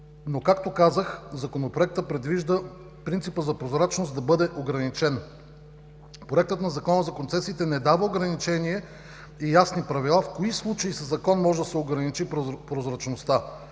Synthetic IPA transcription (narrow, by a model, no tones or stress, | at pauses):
nokakt̪okazəxzɐkonopɾoɛk̚t̪əpɾɛd̪viʒd̪ə | pɾint̪sipəzɐpɾozɾat͡ʃnosd̪ɐbɤd̪ɛʔoɡɾɐnit͡ʃɛn | pɾoɛk̚t̪ət̪nɐzɐkɔnəzɐkont̪sɛsiːt̪ɛnɛd̪avəoɡɾɐnit͡ʃɛnʲiɛ | ijasnipɾɐvilˠafkoislˠut͡ʃɐisɐzɐkɔnmɔʒɛd̪ɐsɛoɡɾɐnit͡ʃippɾozɾɐt͡ʃnost̪a